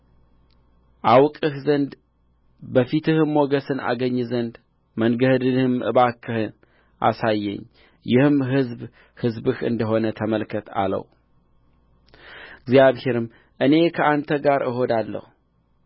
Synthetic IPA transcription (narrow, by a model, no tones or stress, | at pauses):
ʔawkʼɨhzənd̪ | bəfit̪ɨhɨmːo̞ɡəsɨna̰ɡəɲːzənd̪ | mənɡəhd̪ɨnhɨmʔɨ̰βakʰːɨhɨn | ʔa̰sajːɛ̰ɲː | jɪhɨmɦɨzb | hɨzbɨhɨ̰nd̪əɦo̞nət̪ʰəməlkʰət̪ʰa̰lə̰w | ɪɡzjaβhe̞ɾɨm | ʔɨne̞kʰəʔant̪ʰəɡaɾʔɨɦo̞d̪alːə̰hu